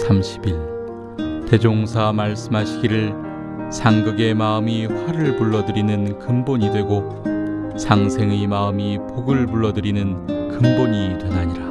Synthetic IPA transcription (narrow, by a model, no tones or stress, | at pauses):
sʰamɕʰi̥biɭ | te̞d͡ʑoŋsʰamaɭs͈ɯmɦaɕʰiɡiɾɯɭ | sʰaŋɡɯɡe̞maɯmiɸwaɾɯɭpuɭːʌdɯɾinɯnkɯmboɲidwe̞ɡo | sʰaŋsʰe̞ŋemaɯmipoɡɯɭpuɭːʌdɯɾinɯnkɯmboɲitwʌnaɲiɾa